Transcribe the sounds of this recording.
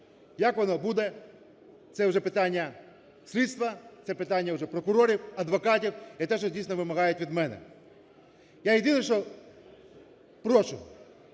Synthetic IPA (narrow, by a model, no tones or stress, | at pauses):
jakʋɔnɔbud̪ɛ | t̪sɛʊʒɛpɪt̪anʲːɐ | sʲlʲid̪st̪ʋɐt̪sɛpɪt̪anʲːɐwʐɛpɾɔkʊɾɔɾʲiwɐd̪ʋɐkatʲiwɐt̪ɛʃ̬ɔdʲijsʲnɔʋɪmɐɦajʊtʲʋʲid̪mɛnɛ̰ | jajed̪inɐʃt͡ʃɔ | pɾɔʃʊ̰